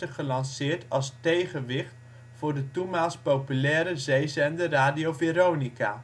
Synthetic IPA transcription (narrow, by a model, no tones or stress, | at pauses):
əχəlɑnsɪːɹtɑlˠstejχənʋɪχt | fʊːɹdətumaːlspowpylɛːɾəzejzɛndəraːdiowveɾownika̰ː